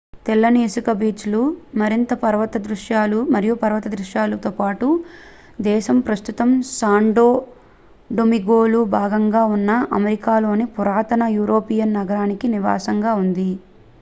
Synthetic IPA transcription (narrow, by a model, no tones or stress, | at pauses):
t̪ɛlːɐneːsukɐbiːt͡ʃlumɐɾint̪ɐpɐɾɐʋɐt̪ɐd̪ɾuʃjaːlumɐɾijupɐɾɐʋɐt̪ɐd̪ɾuʃjaːlut̪oːpaːʈu | d̪ɛːʃɐmpɾɐst̪ut̪ɐmsaːɳɖoː | ɖomiɡoːlubʱaːɡɐŋɡaːunːɐʔɐmɐɾikaːlo̞ːnipuɾaːt̪ɐnɐjuːɾo̞ːpijɐnːɐɡɐɾaːnikiniʋa̰ːsɐŋɡaːund̪i